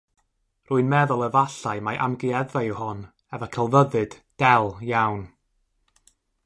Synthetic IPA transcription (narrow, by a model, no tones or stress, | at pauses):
rʊɨnmɛðʊlˠəvaɬaɨmaʔamɡiɛðajɪwhɔn | ɛvɔkʰəlˠvəðɨd̥d̥ɛlˠjawn